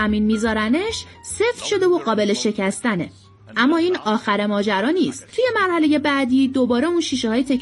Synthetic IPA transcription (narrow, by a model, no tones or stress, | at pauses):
æmiːnmiːzɒːɾæneʃ | se̞ft̪ʃo̞d̪e̞voɢɒːbe̞le̞ʃe̞cʰæst̪æne̞̰ | ʔæmːɒːiːnɒːxæɾe̞mɒːd͡ʒæɾɒːniːst̪t̪ʰuje̞mæɾhæle̞je̞bæd̪iːd̪o̞bɒːɾe̞uːnʃiːʃehɒːjet̪ʰe̞kʰ